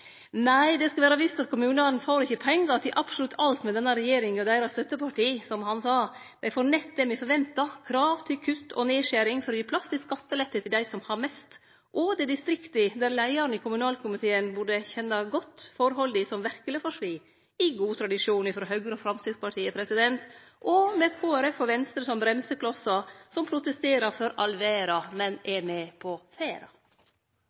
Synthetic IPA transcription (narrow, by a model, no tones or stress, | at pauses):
næɪd̪ɛskɑʋæːɾɑʋɪst̪ɑt̪kʰʊmʉːnɑn̩foːɾɪçːəpʰɛŋːɑɑt̪̚ɪʔɑpsʊlʉt̪ʰːɑlt̪mɛd̪ɛnːɑɾɛjeːɾɪŋɔd̪æɪɾɑst̪œt̪ːəpʰɑʈiːsɔmhɑnsɑː | d̪̥æɪfoːɾnɛt̪d̪ɛmɪfɔɾʋɛnt̪ɑkʰɾɑːʋt̪ʰɪlkʰʉt̪ːɔ̰neːʃæɾɪŋfɔɾɔjiːpʰlɑst̪ɪsɑt̪ːəlɛt̪ːət̪ʰɪld̪æɪsɔmhɑɾmɛst̪ | ʔɔd̪ɛd̪ɪst̪ɾɪkt̪əd̪æɾlæɪɑɾənɪkʊmʉnɑːlkʰʊmɪt̪ʰeːənbuɖəçɛnːɑɡɔt̪ːfɔɾhɔld̪ɪsɔmʋæɾkələfɔʂʋiː | ɪɡuːt̪ʰɾɑd̪ɪʂuːnɪfɾɔɦœɡɾɔfɾɑmst̪ɪspɑʈʰiːəpʰɾɛsɪd̪ɛnt̪ | ʔɔmɛkʰoːæɾɛfːɔɾʋɛnst̪ɾəsɔmbɾɛmsəkʰlɔsɑsɔmpʰɾʊt̪əst̪eːɾɑɾfɔɾɑlʋeːɾɑmɛnɛmɛpʰɔfeːɾɑ̰